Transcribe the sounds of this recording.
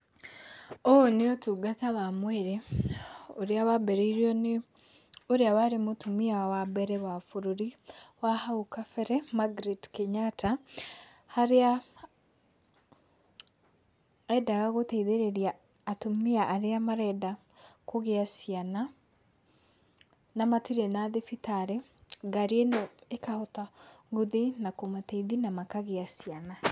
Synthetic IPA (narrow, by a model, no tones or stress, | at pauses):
ooneotuɡataβamweɾe | oɾjaβabeɾeiɾione | oɾjaβaɾimotumiawabeɾɛβafuɾoɾiwahaukafeɾemaɡɾitkeɲatʰa | haɾa | ɛdaɣaɣotɛiðeɾeɾiaː | tomeaʔaɾeamaɾɛda | koɣeasiana | namatiɾenaðefitaɾe | ɡaɾienɔekahɔtaɣuðinakomateiðinamakaɣeasiana